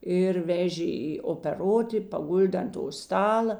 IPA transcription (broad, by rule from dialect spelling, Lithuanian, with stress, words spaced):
ɪr ˈʋʲæːʒʲeː ɪ oːpʲɛˈroːtʲɪ pɐˈɡʊlʲdʲeː ɐnt toː ˈstɑːlˠɐ